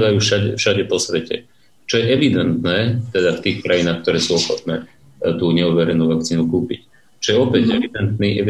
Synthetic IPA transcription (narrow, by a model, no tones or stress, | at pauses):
dajuːʃaɟɛfʃaɟɛpɔsʋɛcɛ̰ | t͡ʃɔjɛʔɛʋid̪ɛnt̪nɛːt̪ɛd̪aft̪iːxkɾajinaːxk̚t̪ɔɾɛːsuːɔxɔt̪nɛː | t̪uːɲɛuʋɛɾɛnuːʋak̚t͡siːnukuːpḭc | t͡ʃɔjɛɔpɛɟɛid̪ɛnt̪niːʔɛ